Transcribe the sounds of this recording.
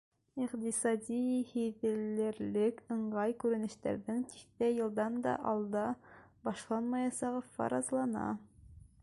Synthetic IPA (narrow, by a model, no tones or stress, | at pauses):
iqt̪isɑd̪ʲihiðɘ̆lːɘ̆ɾlɘkɤ̆ɴɢɑjkʉɾɘ̆nɘ̆ʃt̪æ̰ɾðɘŋt̪i̥kt̪æjɤ̆lˠd̪ɑnd̪ɑ̰ʔɑlˠd̪ɑbɑʃlˠɑnmɑjɑsɑʁɤfɑ̰ɾɑzlˠɑnɑ̰